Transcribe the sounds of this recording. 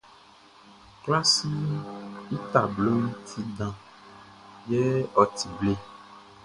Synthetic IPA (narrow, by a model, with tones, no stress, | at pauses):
kla˦si˦ | i˦t̪a˨blo˦ŋũ˦t̪ʰi˦ɖã˨ | jɛ˦ɔ˨t̪i˨ble˦˨